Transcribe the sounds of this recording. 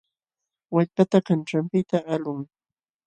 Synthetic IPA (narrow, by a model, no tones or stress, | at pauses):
waʎpat̪akanʈ͡ʂampɪt̪aʔalʊŋ